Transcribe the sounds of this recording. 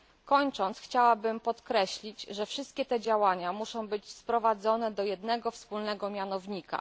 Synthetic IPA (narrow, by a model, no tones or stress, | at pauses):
kɔɲt͡ʂɔnt̪sxt͡ɕawabɘmpɔt̪kɾɛɕlʲid͡ʑʐɛfʂɘst̪̚kʲɛt̪ɛd͡ʑawaɲamuʂɔ̃w̃bɘd͡ʑspɾɔvad̪zɔnɛd̪ɔjɛd̪nɛɡɔfspulnɛɡɔmʲjanɔvɲika̰